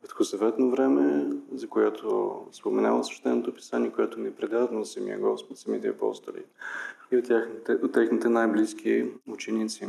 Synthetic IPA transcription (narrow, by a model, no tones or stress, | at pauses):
pɛt̪xosɐvɛt̪novɾɛmɛzɐkojat̪ʰospomɛnavəsɛ̥ʃt̪ɛnot̪opi̥saniɛkojɛt̪omɛpɾɛd̪avnosəmḭə̰ɡɔspot̪səmit̪ɛ̰ɐpɔ̰st̪olḭ | iot̪axt̪ɛot̪ːɛxnit̪ɛnajblisk̟iut͡ʃɛnit̪si